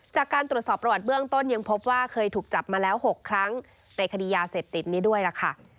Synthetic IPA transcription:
t͡ɕaː˨˩kːaː˧nt̪ɾu˩ət̪̚sɔː˨˩pːɾa˧wa˨˩t̪̚bɯ˥˩əŋt̪o˥˩nja˧ŋpʰo˦˥p̚waː˥˩kʰɤː˧jt̪ʰuː˨˩k̚t͡ɕa˨˩p̚maː˧lɛː˦˥wɦo˨˩kʰːɾa˦˥ŋ | na˧jkʰa˧diː˧jaː˧seː˨˩p̚t̪i˨˩t̪̚niː˦˥du˥˩əjla˨˩kʰa˥˩

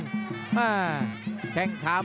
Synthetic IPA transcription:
aː˧˩kʰɛ˨˩ŋkʰaː˨˦m

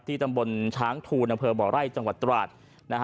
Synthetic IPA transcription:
t̪ʰːiː˥˩t̪a˧mbo˧nt͡ɕʰaː˦˥ŋt̪ʰuː˧nʔa˧mpʰɤː˧bɔː˩ɾa˥˩jt͡ɕa˧ŋwa˨˩t̪ːɾaː˨˩t̪̚ | na˦˥kʰ

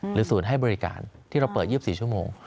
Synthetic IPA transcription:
ɾɯː˨˦su˨˩˦nɦa˥˩jbɔː˧ɾi˦ka̰ː˧nt̪ʰiː˥˩ɾa˧wpɤː˨˩t̪̚i˥˩əpsiː˨˩t͡ɕʰu˥˩əmoː˧ŋ

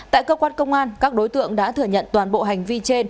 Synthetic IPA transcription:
t̪a̰ː˧˨jkəː˧kwaː˧nkə˧wŋ͡mʔaː˧nkaː˦˥k̚ɗo˨˦jt̪ɨ̰˧˨əŋɗa̰ː˧˥t̪ʰɨ˧˩əɲə̰˧˨nt̪waː˨˩nɓo̰˧˨ɦa˨˩jŋ̟vi˧t͡ɕe˧n

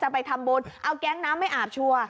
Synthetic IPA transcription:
t͡ɕa˧˩pa˧jt̪ʰa˧mboː˧nʔa˧wkɛː˦˥ŋnaː˦˥mːa˥˩jʔaː˨˩p̚t͡ɕʰu˧ə

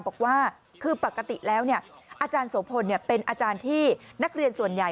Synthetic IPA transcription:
bɔː˨˩k̚waː˥˩ | kʰɯː˧pa˨˩kːa˧t̪i˨˩lɛː˦˥wni˥˩ə | ʔaː˧t͡ɕaː˧nso˩˦ŋpʰo˧nːi˥˩ɐpe˧nʔaː˧t͡ɕaː˧nt̪ʰiː˥˩na˦˥k̚ɾi˧ənsu˨˩ənja˨˩

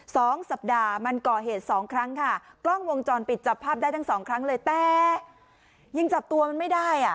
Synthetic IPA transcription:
sɔː˩˦ŋsa˨˩p̚daː˧ma˧nkɔː˨˩ɦeː˨˩t̪̚sɔː˩˦ŋkʰɾa˦˥ŋkʰa˥˩klɔ˥˩ŋwo˧ŋt͡ɕɔː˧npi˨˩t̪̚t͡ɕa˨˩pʰːaː˥˩p̚daː˥˩jt̪ʰa˥˩sɔː˩˦ŋkʰɾa˦˥ŋlɤː˧jt̪ɛː˨˩ | jɯ˧ŋt͡ɕa˨˩p̚t̪u˧ɐma˧nma˥˩jdaː˥˩jʔa˨˩

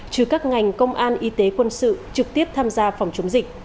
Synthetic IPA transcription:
t͡ɕɨ˧˩kaː˦˥k̚ŋa˨˩jŋ̟kə˧wŋ͡mʔaː˧nʔi˨˦t̪e˨˦kwə˧nsɨ̰˧˨t͡ɕɨ˨˩k̚t̪i˦˥əp̚t̪ʰaː˧mzaː˧fa˨˩wŋ͡mt͡ɕʊ˨˦ŋ͡mzï˨˩k̟̚

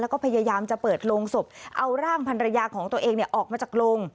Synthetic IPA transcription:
lɛ˦˥wkɔː˥˩pʰa˧jaː˧jaː˧mt͡ɕa˨˩pɤː˨˩t̪̚loː˧ŋso˨˩p̚ʔa˧wɾaː˥˩ŋpʰa˧nɾa˧jaː˧kʰɔː˩˦ŋt̪u˧əʔeː˧ŋni˨˩əʔɔː˨˩k̚maː˧t͡ɕaː˨˩k̚loː˧ŋ

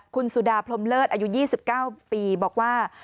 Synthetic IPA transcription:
kʰu˧nsuː˨˩daː˧pʰlo˧mlɤː˥˩t̪̚ʔaː˧ju˦˥jiː˥˩si˨˩p̚kaː˥˩wpiː˧bɔː˨˩k̚waː˥˩

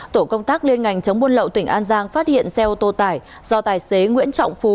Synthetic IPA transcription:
t̪o˧˩kə˧wŋ͡mt̪aː˦˥k̚li˧ənŋa˨˩jŋ̟t͡ɕə˨˦wŋ͡mmu˧ənlə̰˧˨wt̪ï˧˩ŋ̟ʔaː˧nzaː˧ŋfaː˦˥t̚hḭ˧˨ənsɛ˧ʔo˨˧˩t̪o˧t̪aː˧˩j | zɔ˧t̪aː˨˩jse˨˦ŋwḭ˧˥ənt͡ɕɔ̰˧˨wŋ͡mfu˨˩

